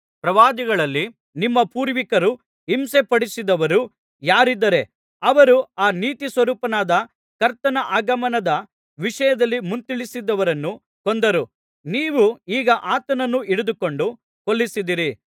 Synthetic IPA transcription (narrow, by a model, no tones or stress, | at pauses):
pɾɐʋaːd̪iɡɐɭɐlːi | nimːɐpuːɾʋikɐɾu | ɦimse̞pɐɽisid̪ɐʋɐɾu | jaːɾid̪ːɐɾe̞ | ɐʋɐɾuaːniːt̪isʋɐɾuːpɐnaːd̪ɐ | kɐɾt̪ɐnɐʔaːɡɐmɐnɐd̪ɐ | ʋiʂɐjɐd̪ɐlːimunt̪iɭisid̪ːɐʋɐɾɐnːu | kond̪ɐɾu | niːʋuiːɡɐʔaːt̪ɐnɐnːuiɽud̪uko̞ɳɖu | kolːisid̪iɾi